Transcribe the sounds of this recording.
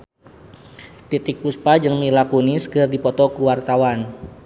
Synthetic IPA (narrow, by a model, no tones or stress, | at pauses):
t̪it̪ɪk̚puspad͡ʒɨŋmilakuniskərdipɔt̪ɔkuwart̪awan